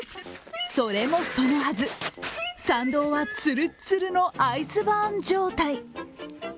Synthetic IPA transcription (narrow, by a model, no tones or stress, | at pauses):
soɾe̞mo̞so̞nohazɨ | sãnd̪o̞ːβat͡sɨɾɯ̟t͡sɨɾɯ̟no̞ʔaisɨbãɲd͡ʑo̞ːt̪ai